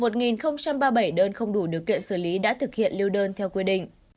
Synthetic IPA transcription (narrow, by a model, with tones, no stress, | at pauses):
mo˨˩t̚ŋi˨˩nxə˧wŋ͡mt͡ɕa˧mɓaː˧ɓa˧˩jɗəː˧nxə˧wŋ͡mɗu˧˩ɗi˨˩əkːḭ˧˨ənsɨ˧˩li˨˦ɗa̰ː˧˥t̪ʰɨ˨˩k̚hḭ˧˨ənli˧wɗəː˧nt̪ʰɛ˧wkwi˧ɗḭ̈˧˨ŋ̟